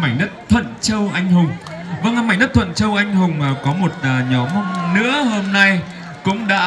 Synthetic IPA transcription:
ma˧˩jnə˦˥t̚t̪ʰwə̰˧˨nt͡ɕə˧wʔa˧jŋ̟hʊ˨˩ŋ͡m | və˧ŋ˨˩ma˧˩jnə˦˥t̪ʰwə̰˧˨nt͡ɕə˧wʔa˧jŋ̟ɦʊ˨˩ŋ͡mʔkɔ˨˦mo˨˩t̚əː˨˩ɲɔ˨˦m˧nɨ̰˧˥əho˧mna˧j | kʊ̰˧˥ŋ͡mɗa̰ː˧˥

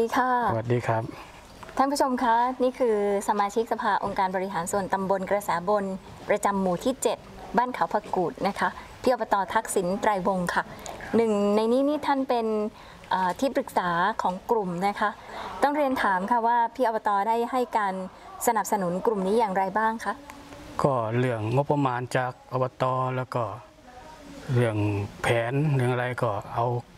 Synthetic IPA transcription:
iː˧kʰa˥˩wa˨˩t̚diː˧kʰɾa˦˥p̚ | t̪ʰa˥˩npʰu˦˥t͡ɕʰo˧mkʰa˦˥niː˥˩kʰɯː˧sa˧˦maː˧t͡ɕʰi˦˥k̚sa˧pʰaː˧ʔo˧ŋkaː˧nbɔː˧ɾi˦˥ɦaː˩˦nsu˨˩ənt̪a˧mbo˧nkɾa˧sɛː˩˦bo˧n | pɾa˧t͡ɕa˧mːuː˨˩t̪ʰiː˥˩t͡ɕe˨˩t̪̚baː˥˩nkʰa˨˩˦wpʰa˧kuː˨˩t̪̚na˦˥kʰa˦˥ʔpʰiː˥˩ʔɔ˧bɔ˧t̪ɔː˧t̪ʰa˦˥k̚si˩˦nt̪ɾaː˧jwo˧ŋkʰa˥˩nɯ˨˩ŋna˧jniː˦˥niː˦˥˩t̪ʰa˥˩npe˧n | ʔaː˨˩t̪ʰiː˥˩pɾɯ˨˩k̚saː˩˦kʰɔː˩˦ŋkɾu˨˩mna˦˥kʰa˦˥ʔt̪ɔ˥˩ŋɾi˧ənt̪ʰaː˩˦mkʰa˥˩waː˥˩pʰiː˥˩ʔbɔ˧t̪ɔː˧da˥˩jha˥˩jkaː˧n | sa˧na˨˩p̚sa˧nu˩˦nkɾu˨˩mniː˦˥jaː˨˩ŋɾa˧jbaː˥˩ŋkʰa˦˥ʔkɔː˧˥˩lɯ˥˩əŋːo˦˥pːa˧maː˧nt͡ɕaː˨˩k̚ʔɔ˧bɔ˧t̪ɔː˧lɛː˦˥˩wkɔː˧˩ | lɯ˥˩əŋpʰɛː˩˦nlɯ˥˩əŋa˧ɾa˧jkɔː˧˩ʔa˧w

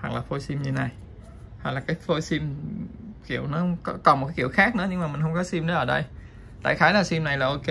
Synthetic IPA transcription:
ha˨˩k̚laː˨˩fo˧jsi˧mɲɨ˧na˨˩j | ha˨˩k̚laː˨˩kaː˨˦jfo˧si˧m | ki˧˩˨əwnɔ˨˦ŋ͡mkɔ˨˦kɔ˨˩m̚˨˩kaː˨˦ki˧˩ə˨wxaː˦˥k̚nɨ̰˧˥˦ɲɨ˧ŋmaː˨˩mï˨˩ŋ̟xə˧ŋ͡mkɔ˨˦si˧mɗə˨˦ʔəː˧˩ɗə˧j | t̪a̰ː˧˨jxaː˨˦jlaː˨˩si˧mna˨˩jlaː˨˩ʔo˧ke˧

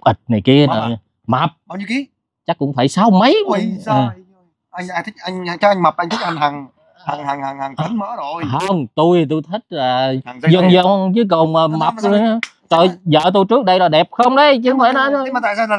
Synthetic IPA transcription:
ʔi˨˩t̚na˨˩jki˧əa˨˩˨ | ma˨˩p̚a˨˧˩ɲ˧˦ki˨˦ | t͡ɕa˦˥k̚ːʊ̰˧˥ŋ͡mfaː˧˩jsaː˧wmə˨˦j | ʔa˧ja˧t̪ʰi˦˥k̚ʔa˧jŋ˧t͡ɕɔ˧ʔa˧jŋ̟ma˨˩p̚ʔa˧jŋt̪ʰi˦˥k̚ʔa˧ŋɦa˨˩ŋ | ha˨˩ŋha˨˩ŋha˨˩ŋha˨˩ŋa˨˧˦ŋməː˨˦zo˨˩jhə˧ŋ͡mt̪u˧jt̪u˧jt̪ʰi˦˥k̚laː˨˩˨ŋ˦zə˨˩ŋzə˨˩ŋkɨ˨˦kə˨˩waː˨˩ma˨˩p̚t̪u˧haː˧ | t͡ɕɔ˧˩jzə̰ː˧˨t̪u˧jt͡ɕɨ˦˥k̚ɗə˧jɾɔ˨˩jɗɛ˨˩p̚xə˧wŋ͡mɗə˨˧jt͡ɕɨ˧˦aː˧˩˦naː˨˧˦t̪a̰ː˧˨sa˧˨

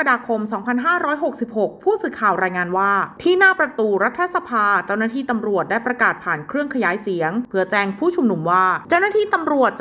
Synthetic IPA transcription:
ka˧daː˧kʰo˧msɔː˩˦ŋpʰa˧nɦaː˥˩ɾɔː˦˥jɦo˨˩k̚si˨˩p̚ho˨˩k̚pʰuː˥˩sɯː˨˧˩kʰaː˨˩wɾaː˧jŋaː˧nwaː˥˩t̪ʰiː˥˩naː˥˩pɾa˧t̪uː˧ɾa˦˥t̪ʰːa˧˥sa˧pʰaː˧t͡ɕa˥˩wnaː˥˩t̪ʰiː˥˩t̪a˧mɾu˨˩ət̪̚daː˥˩jpɾa˧kaː˨˩t̪̚pʰaː˨˩nkʰɾɯ˥˩əŋkʰa˧jaː˨˦jsi˩˦əŋpʰɯ˩˦ɐt͡ɕɛː˧ŋpʰuː˥˩t͡ɕʰu˧mnu˧mwaː˥˩t͡ɕa˥˩wnaː˥t̪ʰiː˥˩t̪a˧mɾu˨˩ət̪̚t͡ɕ

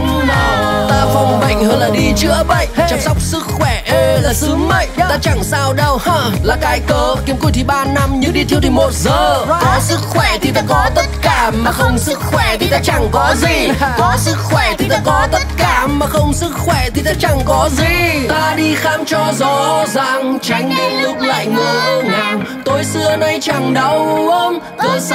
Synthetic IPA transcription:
t̪aː˧xə˧wŋ͡mɓə̰˧˩˨jŋ̟həː˧nlaː˨˩ɗi˧t͡ɕɨ̰˧˥əɓə̰˧˨jt͡ɕa˧˩ŋsa˦˥wk͡p̚sɨ˦˥k̚xwɛ˧˩laː˨˩sɨ˨˦mə˧˨jʔt̪aː˧t͡ɕa˧˩ŋsaː˧wɗə˧˩whə˧laː˨˩kaː˨˧jkəː˧ki˨˦əmku˧˩jt̪ʰi˧˩ɓaː˧na˧mɲɨ̰˧˥ŋɗi˧t̪ʰi˧əwt̪ʰi˧˩mo˨˩t̚zəː˨˩k̪ɔ˨˦jsɨ˦˥k̚xwɛ˧˩t̪ʰi˨˩t̪aː˧˥kɔ˨˦t̪ə˦˥t̚kaː˧˩maː˨˩xə˧wŋ͡msɨ˦˥k̚xwɛ˧˩t̪ʰi˨˩t̪aː˧t͡ɕa˧˩ŋkɔ˨˦zi˨˩k̪ɔ˨˦sɨ˦˥k̚xwɛ˧˩t̪ʰi˨˩t̪aː˧kɔ˨˦t̪ə˦˥t̚kaː˧˩maː˨˩xə˧wŋ͡msɨ˦˥k̚xwɛ˧˩t̪ʰi˨˩t̪aː˧˦t͡ɕa˨˩ŋkɔ˨˦zi˨˩t̪aː˧ɗi˧xaː˧mt͡ɕɔ˧zɔ˧˦za̰˧˨˩ŋt͡ɕa˨˦jŋ̟ə˧ŋlʊ˦˥k̚la̰ː˧˨jŋɨː˨˩jʔə˧ŋa˨˩m | t̪o˨˧jsɨ˧əna˧jt͡ɕa˨˩ŋɗə˨˧˦wʔə˧ŋ͡m | o˧j

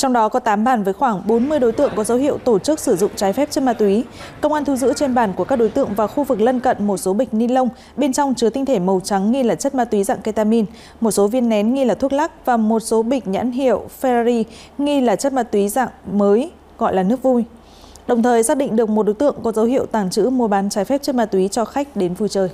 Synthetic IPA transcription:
t͡ɕɔ˧wŋ͡mɗɔ˨˦kɔ˨˦t̪aː˨˦mɓaː˧˩nvəː˨˦jxwaː˧˩ŋɓo˨˦nmɨ˧əjɗo˨˦jt̪ɨ̰˧˨əŋkɔ˨˦zə˨˦whḭ˧˨əwt̪o˧˩t͡ɕɨ˦˥k̚sɨ˧˩zʊ̰˧˨ŋ͡mt͡ɕaː˨˦jfɛ˦˥p̚t͡ɕə˦˥t̚maː˧t̪wi˨˦ | kə˧wʔaː˧nt̪ʰu˧zɨ̰˧˥t͡ɕe˧nɓaː˧˩nku˧˩əkaː˦˥k̚ɗo˨˦jt̪ɨ̰˧˨əŋvaː˨˩xu˧vɨ˨˩k̚lə˧nkə̰˧˨nmo˨˩t̚so˨˦ɓï˨˩ŋ̟̚ni˧lə˧wŋ͡m | ɓe˧nt͡ɕɔ˧wŋ͡mt͡ɕɨ˨˦t̪ï˧ŋ̟t̪ʰe˧˩mə˨˩wt͡ɕa˨˦ŋːi˧laː˨˩t͡ɕə˦˥t̚maː˧t̪wi˨˦za̰ː˧˨ŋkə˧jt̪aː˧mi˧n | mo˨˩t̚so˨˦vi˧ənːɛ˨˦nŋi˧laː˨˩t̪ʰu˦˥ək̚laː˦˥k̚vaː˨˩mo˨˩t̚so˨˦ɓï˨˩ŋ̟̚ɲa̰˧˥nɦḭ˧˨əwfɛ˧zi˧ | ŋi˧laː˨˩t͡ɕə˦˥t̚maː˧t̪wi˨˦za̰ː˧˨ŋməː˨˦j | ɣɔ̰˧˨jlaː˨˩nɨ˦˥ək̚vu˧j | ɗə˨˩wŋ͡mt̪ʰəː˨˩jsaː˦˥k̚ɗḭ˧˨ŋ̟ɗɨ˨˩ək̚mo˨˩ɗo˨˦jt̪ɨ̰˧˨əŋkɔ˨˦zə˨˦whḭ˧˨ə˨wt̪aː˨˩ŋt͡ɕɨ̰˧˥mu˧əɓaː˨˦nt͡ɕaː˨˦jfɛ˦˥p̚t͡ɕɨ˦˥t̚maː˧t̪wi˨˦t͡ɕɔ˧xa˦˥jk̟̚ɗe˨˦nvu˧˩t͡ɕəː˨˩j

